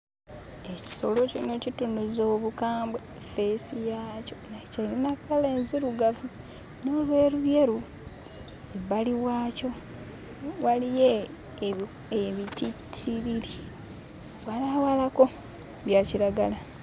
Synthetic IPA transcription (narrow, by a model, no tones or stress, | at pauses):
e̞ci̥so̞lo̞cino̞citunuzo̞ːβukaːmbwe | fesijaːco̞nacalinakːale̞ːnziɾuɡavu | no̞ːlwe̞ːɾuβje̞ɾu | eβaliwaːco̞ | walije | eβititiβili | βwalawalako̞ | βjaciɾaɡala